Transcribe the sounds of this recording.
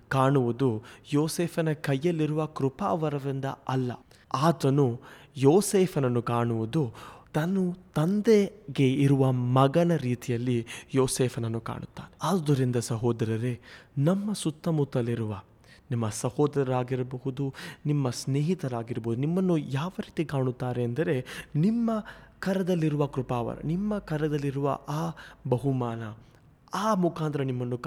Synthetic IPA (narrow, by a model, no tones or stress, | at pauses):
kaːɳuʋud̪ujoːseːpʰɐnɐkɐjːɐlːiɾuʋɐkɾupa̰ːʋɐɾɐʋind̪ɐ̰ɐlːɐ̰ | aːt̪ɐnu | joːseːpʰɐnɐnːukaːɳuʋud̪ut̪ɐnːut̪ɐnd̪eɡe̞iɾuʋɐmɐɡɐnɐɾiːt̪ijɐlːijoːseːpʰɐnɐnːuka̰ːɳut̪ːa̰ːneaːd̪d̪ɐɾind̪ɐsɐɦɔːd̪ɐɾɐɾenɐmːɐsut̪ːɐmut̪ːɐlːiɾuʋɐ | nimːɐsɐhɔːd̪ɐɾɐɾaːɡiɾɐbɐɦud̪unimːɐsneːɦit̪ɐɾaːɡiɾɐboːud̪unimːɐnːujaːʋɐɾiːt̪ikaːɳut̪ːaːɾeːnd̪ɐɾe̞nimːɐkɐɾɐd̪ɐlːiɾuʋɐkɾupaːʋɐ̰ɾɐ̰nimːɐkɐɾɐd̪ɐlːiɾuʋɐ̰ʔaːbɐɦumaːnɐ | aːmukaːnt̪ɐɾɐnimːɐnːukː